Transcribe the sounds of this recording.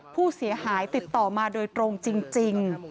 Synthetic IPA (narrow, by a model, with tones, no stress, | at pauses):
pʰuː˥˩si˩˦ɐhaː˩˦jt̪i˨˩t̪ːɔː˨˩maː˧doː˧jt̪ɾoː˧ŋt͡ɕi˧ŋt͡ɕi˧ŋ